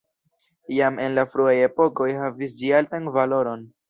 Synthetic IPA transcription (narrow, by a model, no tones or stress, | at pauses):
jame̞nlafɾuaje̞po̞ko̞jɦavis̬d͡ʒialtanvalo̞ɾo̞n